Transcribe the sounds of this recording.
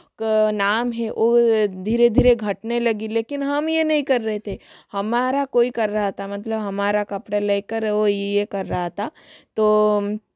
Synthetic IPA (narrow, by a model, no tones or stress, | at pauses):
kanaːmɦɛʔod̪ʱiːɾed̪ʱiːɾeɡʱɐʈnelɐɡileːkɪnɦɐmjenɐɦĩkɐɾːɐɦet̪ʰehɐmaːɾakoːikɐɾːɐɦat̪ʰamɐt̪ləbɦɐmaːɾakɐpɽaleːkəɾʋojejekɐɾːɐɦat̪ʰaː | t̪oː